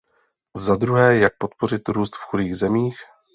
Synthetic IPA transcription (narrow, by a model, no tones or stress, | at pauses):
zad̪ɾuɦɛːjak̚po̞t̪po̞ɾ̝ɪt̪ɾuːst̪fxudiːɣzɛmiːx